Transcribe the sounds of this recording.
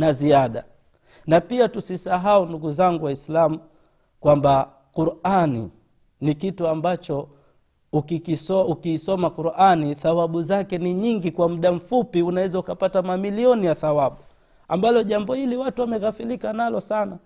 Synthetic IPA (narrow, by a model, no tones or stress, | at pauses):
naziaɗa̰ | napiatusisaɦaunduɡuzaŋɡuwaislamu | kwamba | kuɾanḭ | nikituambat͡ʃɔ | ukikisɔukiːsɔmakuɾʔaniθawaɓuzakɛniɲiŋɡikwam̩ɗam̩fupiunawɛzaukapatamamiliɔnijaθawaɓu | ambalɔʄambɔhiliwatuwamɛkafilikanalɔsana